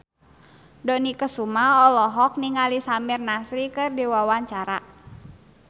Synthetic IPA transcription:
dɔnikəsumaɔlɔɦɔk̚niŋalisamirnasɾikɨrdiwawaɲt͡ʃaɾa

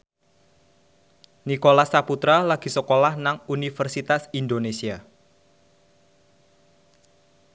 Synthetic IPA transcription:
nikolasaput̪ɾalaɡ̥i̤səkolahnaŋunifərsit̪asind̪onesia

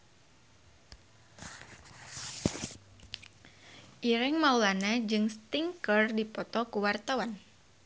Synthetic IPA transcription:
ʔiɾɛŋmaulanad͡ʒɨŋst̪iŋkərdipɔt̪ɔkuwart̪awan

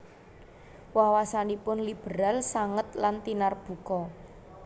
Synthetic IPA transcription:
wawasanipʊnlib̥ə̤ɾalsaŋət̪̚lant̪inarb̥ṳkɔ

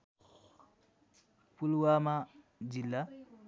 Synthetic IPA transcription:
pulwama | d͡ʒilːa

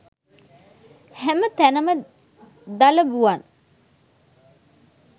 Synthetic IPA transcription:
hæmət̪ænəmə | d̪ɐləbuan

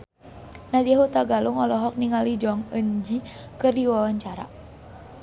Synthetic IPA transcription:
nadiaɦut̪aɡaluŋɔlɔɦɔk̚niŋalid͡ʒɔaŋəɲd͡ʒikɨrdiwawaɲt͡ʃaɾa̰

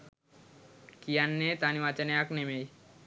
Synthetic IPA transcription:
kijanːet̪aniʋat͡ʃəneaknemej

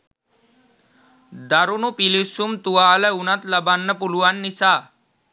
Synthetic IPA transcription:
d̪aɾunupilisumt̪uwaːləunɐt̪lɐbanːɐpuluwanːisa

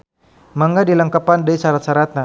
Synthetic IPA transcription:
maŋɡadiləŋkapandəsaɾat̪̚saɾat̪̚na

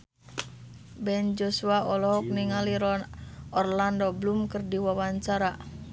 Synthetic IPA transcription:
bɛnd͡ʒosuaɔlɔɦɔk̚niŋaliɾɔɔrlandɔblumkɨrdiwawaɲt͡ʃaɾa

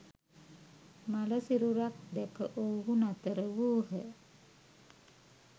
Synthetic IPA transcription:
maləsiɾuɾat̪̚d̪ɛkə̰ʔoɦunat̪əɾəwuːɦə

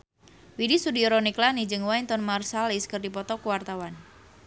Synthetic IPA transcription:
widisudiɔɾɔniklanid͡ʒɨŋwaint̪ɔnmarsaliskɨrdipɔt̪ɔkuwart̪awan

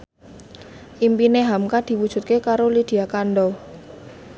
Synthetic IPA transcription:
ʔimpineɦamkad̪̥i̤wud̥ʒ̥ṳt̪̚kekaɾolid̪̥i̤akanɖɔ

